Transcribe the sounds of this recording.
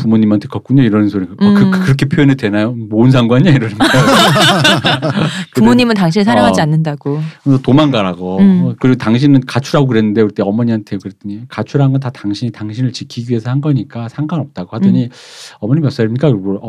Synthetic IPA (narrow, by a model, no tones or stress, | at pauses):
pumoɲimantʰe̞kʌk͈uɲoiɾʌnɯnsʰoɾiɡkɯkʰkɯɾʌkʰepʰjoonedwenajomoɯns̬ʰaŋɡwaɲiaiɾʌnɯ | kɯumoɲimɯntaŋɕ̬ʰinesʰaɾaŋad͡ʑianːɯndaɡ̥okɯsʌtomanɡaɾaɡokɯɾiɡotaŋɕ̬ʰinɯnkat͡ɕʰuɾaɡokɯɾe̞nːɯndeuɾit͈e̞ʌmʌɲiantʰeokɯɾet͈ɯɲikat͡ɕʰuɾɦanŋɡʌntataŋɕʰiɲitaŋɕʰinɯɭt͡ɕikʰiɡie̞sʰʌhanɡʌɲik͈asʰaŋɡanʌp̚t͈aɡohadʌɲiʌmʌɲimjʌps͈aimɲik͈akʌ